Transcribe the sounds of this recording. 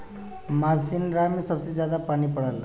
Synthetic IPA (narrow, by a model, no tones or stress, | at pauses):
mad͡zd͡zinɾamisʌbsed͡zjad̪apanipʌɽal